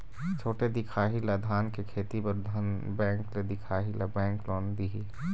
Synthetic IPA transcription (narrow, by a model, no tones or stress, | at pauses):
t͡ʃʰoːʈed̪ɪkʰaːɦilad̪ʱaːnkekʰeːt̪ipɐɾd̪ʱɐnbɛ̃ːŋkled̪ɪkʰaːɦilabɛ̃ːŋklɔːnd̪iɦiː